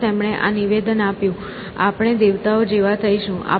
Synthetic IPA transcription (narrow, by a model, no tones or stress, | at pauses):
emɳ̃eʔa̰niʋed̪ənapjũ | a̰pɽ̃ed̪eʋt̪aod͡ʒeʋat̪ʰəiʃũʔa̰